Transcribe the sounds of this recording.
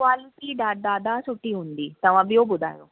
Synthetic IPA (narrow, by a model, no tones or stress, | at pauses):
kʋaːliʈiɖ̪aːʈ̚d̪aːd̪asuʈːiund̪it̪ɐʋãbiobud̪a̰ːjo̰